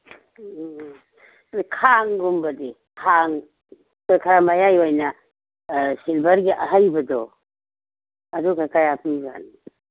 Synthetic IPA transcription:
ikʰaŋɡumbɐdi | kʰaŋ | kojkʰaɾamajajojnɐ | silbɐɾɡiʔɐɦajbɐdɔ | ɐdukʰajkɐjapʰiza̰n

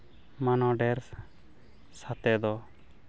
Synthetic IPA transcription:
manɔɖɛɾ | sat̪ɛd̪ɔ

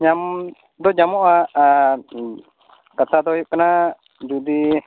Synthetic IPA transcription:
ɲam | d̪ɔd͡ʒamɔʔa | kat̪ad̪ɔjuʔkəna | d͡ʒud̪i

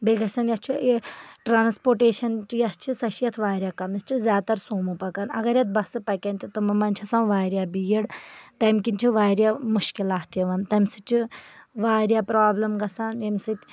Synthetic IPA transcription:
beɡɐsʲɐnjɐst͡ʃʰieʈɾaːnspoːʈeːʃɐnt͡ʃijɐst͡ʃʰisɐʃjɐt̪ʰʋaːɾʲjaːkɐmɐst͡ʃʰizʲaːt̪ɐɾsoːmupɐkɐnɐ̰ɡɐɾjɐt̪̚bɐsɨpɐkʲɐnt̪it̪ɨmɐmɐnʲt͡ʃʰɐsawʋaːɾʲjaːbijiɽt̪ɐmkʲint͡ʃʰiʋaːɾʲjamuʃkilaːht̪jɐʋɐnt̪ɐmʲsɨt͡ʃʰiʋaːɾjaːpɾaːblɐmɡɐsaːnjɐmʲsɨt̪ʲ

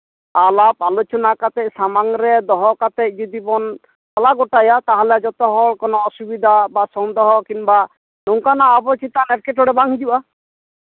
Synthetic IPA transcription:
alapalut͡ʃɔnakat̪ɛc̚samaŋɾɛd̪ɔɦɔkat̪ɛc̚ˀd͡ʒid̪ibɔn | alaɡɔʈajat̪aɦɔlɛd͡ʒɔt̪ɔɦɔɭkɔnɔːsubid̪ʱabasɔŋd̪ɔɦɔkiŋba | nɔŋkanaɔbɔt͡ʃit̪anɛɾkɛʈɔɽɛbaŋd͡ʒiwa

